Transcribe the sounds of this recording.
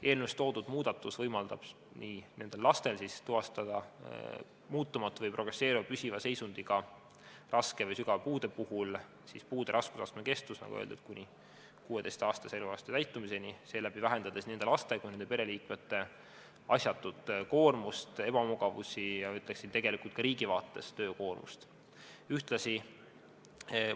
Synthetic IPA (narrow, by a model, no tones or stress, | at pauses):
e̞ːlnust̪o̞ːd̪ud̪̥muːd̪̥ɑt̪ːˑusvɤjmɑld̪ɑb̥ | nine̞nd̪e̞lːlɑst̪e̞lsist̪uɦɑst̪ɑd̪̥ɑ̰ | muːt̪ːˑumɑt̪ːˑvɤjpro̞ɡ̥rese̞ːɾivɑpysʲivɑse̞jsund̪̥iɡɑ | rʔɑske̞vɤjsyɡ̥ɑvpuːd̪̥e̞puhul | sispuːd̪̥e̞ɾʔɑskusɑst̪meke̞st̪usnɑ̰ɡuḛːld̪et̪̚kunʲi | kuːe̞d̪e̞jst̪ɑːst̪ɑselvelɑst̪et̪æjt̪ːˑumise̞niseːlæb̥ivæɦe̞nd̪ɑd̪esnend̪elɑst̪ekujnenpɾe̞liːkmet̪ːˑe̞ | ɑsʲjɑt̪ːˑud̪̥ko̞ːrmust̪e̞b̥ɑmuɡ̥ɑvusʲijɑyt̪ːˑleksid̪t̪e̞ɡ̥e̞likult̪kɑɾiːɡ̥ivɑːt̪ːˑest̪ø̞ːko̞ːrmṵst̪ | yht̪lɑsi